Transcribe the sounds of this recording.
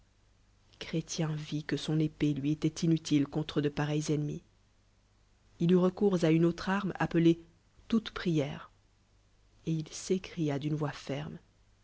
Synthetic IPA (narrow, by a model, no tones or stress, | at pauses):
kχet̪jɛ̃vikəsɔ̃nepelɥiet̪ɛt̪inyt̪ilkɔ̃t̪χəd̪əpaʁɛjzɛnmḭ | ilyʁəkuʁzaynot̪χaʁma̰pəle | t̪ut̪pχijɛːʁ | eilsekχijad̪ynvwafɛʁm